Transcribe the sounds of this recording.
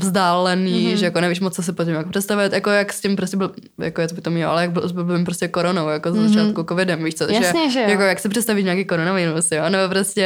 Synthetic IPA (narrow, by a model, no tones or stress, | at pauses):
vzdaːlɛniːʒɛjakonɛviːʃmot͡sːos̬ɪpocɪmjakpr̥ɛtst̪avɪt̪jakojakscɪmpɾoscɛbɪlja̰kojɛt̪obɪkt̪omɲɛlo̰ʔa̰lɛjaɡ̚bɪsbɪlbɪmpɾoscɛkoɾonowjakozɛzat͡ʃaːt̪kukovɪdɛmviːʃt͡sotjʒɛɲɛʒjakojaksɪpr̥ɛt̪st̪aviʃɲaːkiːkoɾonaviɾusjonɛbopɾoscɛ